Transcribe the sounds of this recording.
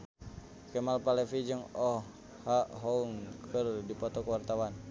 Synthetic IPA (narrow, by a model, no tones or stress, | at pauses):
kɛmalpalɛfid͡ʒəŋɔ | haɦɔuŋkʰərdipɔt̪ɔkwart̪awan